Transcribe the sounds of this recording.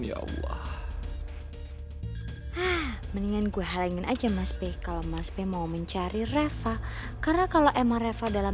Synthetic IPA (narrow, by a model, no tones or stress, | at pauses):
ja̰ɔ̰lːɑ̰h | ahməniŋanɡuɛɦalaiŋɪnʔad͡ʒamaspekalomasbemauməɲt͡ʃaɾirefa | karnakaloʔemaŋrefadala